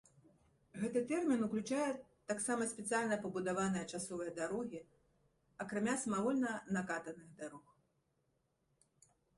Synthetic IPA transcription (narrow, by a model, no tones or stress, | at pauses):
ɣɛt̪ɨt̪ɛrmʲinuklʲut͡ʂajɛt̪aksamɐsʲpʲɛt̪sɨjalʲnɐpɐbud̪avanɨjɐt͡ʂasɔvɐjɐd̪aɾɔɣʲi | ɐkɾamʲasɐmavɔlʲnɐnɐkat̪ɐnɨɣd̪aɾɔx